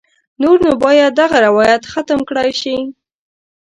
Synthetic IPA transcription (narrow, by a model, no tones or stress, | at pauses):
noɾnobɑjad̪̚dːaɣaɾɪwɑjat̪xat̪əmkɽɑjʃi